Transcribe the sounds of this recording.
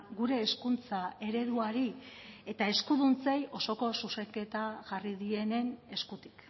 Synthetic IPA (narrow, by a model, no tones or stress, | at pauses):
ɡuɾe̞ːskunt͡sae̞ɾe̞ðuaɾie̞t̪ae̞skuðunt͡sejo̞so̞ko̞suse̞ke̞t̪aʝariðie̞ne̞ne̞skut̪i̥k